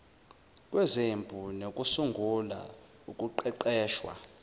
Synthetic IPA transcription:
kʼwɛzembʱunokʼusuŋɡʱula̰ | ukʼuǃɛǃɛːʃwa̰

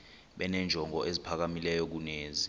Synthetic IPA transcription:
ɓɛnɛnd͡ʒʱɔŋɔʔezipʰak̬amilɛjɔk̬uneːzi

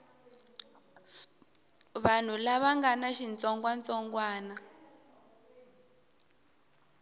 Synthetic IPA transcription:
βan̤ulaβaŋɡanaʃint͡sɔŋɡwant͡sɔŋɡwaːna

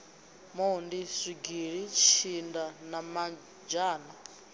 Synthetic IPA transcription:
maundiʂiɡiɺit͡ʃʰindanama | d͡ʒaːna

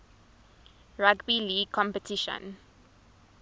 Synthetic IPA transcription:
ɹaɡbiliːkʰɔ̃mpətʰiʃə̰̃n

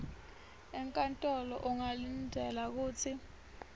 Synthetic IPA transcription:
ɛŋkʼantʼɔlɔ̰ʔuŋalindʱɛlak̬uːt͡sʰi

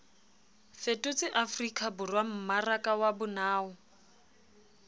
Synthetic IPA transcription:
fetʼʊt͡sʼɪʔafrikʰʼabʊrwam̩marakʼawabʊnaːʊ

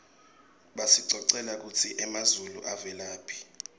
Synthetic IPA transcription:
ɓasiǀɔǀɛlak̬ut͡sʰiʔɛmazuluʔavɛlaːpʰi̥

